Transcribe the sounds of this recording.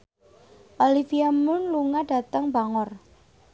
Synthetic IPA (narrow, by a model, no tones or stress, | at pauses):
ʔalifiamʊnluŋaɖ̥a̤t̪əŋbaŋɔr